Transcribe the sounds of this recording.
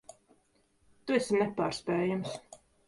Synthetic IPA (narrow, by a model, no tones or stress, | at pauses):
t̪uɛsʲinɛpaːɾspʲɛːjams